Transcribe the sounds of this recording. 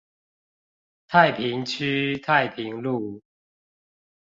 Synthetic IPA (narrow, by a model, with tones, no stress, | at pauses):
t̪ʰa˥˨ɪpʰi˨˦ŋt͡ɕʰy˦t̪ʰa˥˨ɪpʰi˨˦ŋlu˥˨